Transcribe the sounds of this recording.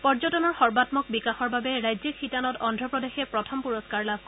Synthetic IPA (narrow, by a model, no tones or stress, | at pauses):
pɔɹzɔtɔnɔɹxɔɹbatmɔk̚bikaxɔɹbabɛɹajzixʰitanɔtɔndʱɹɔpɹɔdexɛpɹɔtʰɔmpuɹɔskaɹlab